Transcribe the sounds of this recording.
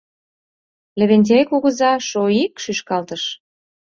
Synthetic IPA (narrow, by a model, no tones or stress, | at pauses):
lʲĕβenʲt̪̬ʲejkuɣə̆zɑʃoikʃyʃkɑlt̪əʃ